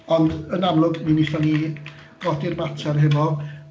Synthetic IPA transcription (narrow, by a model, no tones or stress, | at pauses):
ɔndənamlˠʊɡminiɬɔni | rɔdɪrmatʰɛrɦɛvɔ